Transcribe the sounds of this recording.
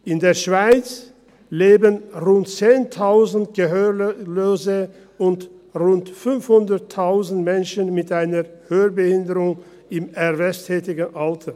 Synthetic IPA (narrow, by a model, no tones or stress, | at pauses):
ʔɪndeːɐʃv̥aɪt͡s | leːbənʁʊntt͡seːntʰaʊzn̩tɡ̥əɦøːloːzə | ʊnt | ʁʊntfʏnfhʊndɐtʰːaʊzn̩tmɛnʃənmɪtʔaɪnɐhøːəbəhɪndəʁʊŋ | ɪmɛʁvɛstʰɛːtɪɡn̩ʔaltʰɐ